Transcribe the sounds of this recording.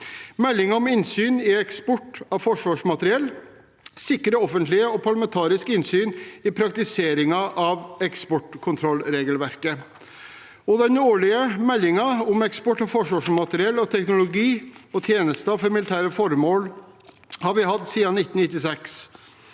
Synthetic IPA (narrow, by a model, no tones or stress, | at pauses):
mɛlːɪŋɑɔmɪnsyːnɪɛkspɔʈɑʋfɔʂʋɑːʂmɑt̪əɾɪɛlː | sɪkɾəɔfənt̪lɪəɔpʰɑɭɑmɛnt̪ʰɑːɾɪskɪnsyːnɪpʰɾɑkt̪ɪseːɾɪŋɑʔɑʋɛkspɔʈkʰʊnt̪ʰɾɔlːɾeːɡəlʋæɾkə | ɔd̪ɛnoːɭɪəmɛlːɪŋɑɔmɛkspɔʈːɑʋfɔʂʋɑːʂmɑt̪ɾɪɛlːɔt̪ʰɛknʊlʊɡiːɔt̪ʰjeːnəst̪ɑfɔɾmɪlɪt̪ʰæːɾəfɔɾmoːl | hɑɾʋɪɦɑd̪siːɑnɪt̪ːnɪt̪ːɪsɛks